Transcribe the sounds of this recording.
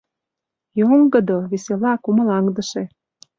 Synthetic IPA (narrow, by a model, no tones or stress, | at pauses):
joŋɡə̆d̪oβeselɑkumə̆lɑŋd̪əʃe